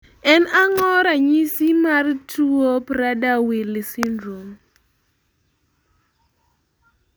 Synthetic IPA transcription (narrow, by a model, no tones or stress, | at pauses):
ɛnaŋɔɾaɲisimartuopɾadawilisindɾom